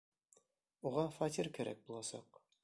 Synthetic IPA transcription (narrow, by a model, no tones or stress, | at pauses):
uʁɑfɑt̪ʲiɾkæɾʔæ̰k̚bulˠɑsɑ̰q